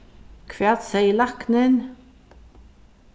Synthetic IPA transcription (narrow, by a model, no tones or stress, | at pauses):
kʰʋɛːt̪sæɪlɑknən